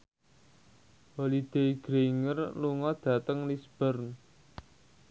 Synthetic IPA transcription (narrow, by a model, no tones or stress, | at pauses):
walid̪̥eiɡ̥ɾeiŋərluŋɔd̪̥ä̤t̪əŋlisb̥ərn